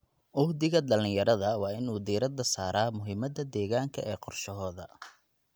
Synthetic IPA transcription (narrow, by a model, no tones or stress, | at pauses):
ʔʊhd̪ɪɣɐɖɐlɪjɐɾɐðɐwɑːɪnuːd̪iːɾɐd̪ɐsaːɾaːmʊɦɪmɐd̪ɐd̪ɛːɣaːŋkʰɐʔɛːqɔrʃɐɦɔːðɐ̰